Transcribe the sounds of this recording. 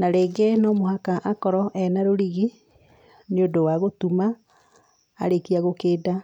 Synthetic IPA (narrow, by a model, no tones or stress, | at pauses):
naɾeːɡenɔmoɦakaʔakɔɾɔʔɛnaɾoɾiɣi | neodowaɣotumaː | ɾekiaɣokeːda